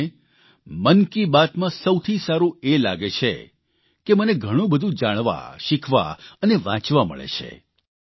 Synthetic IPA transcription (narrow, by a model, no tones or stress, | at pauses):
mənkibat̪mãsəwt̪ʰisaɾũela̰ɡet͡ʃʰḛ | keməneɡʱəɽ̃ũbəd̪ʱũd͡ʒaɽ̃ʋa̰ʃikʰʋa̰əneʋã̰t͡ʃʋamə̰ɭḛt͡ʃʰḛ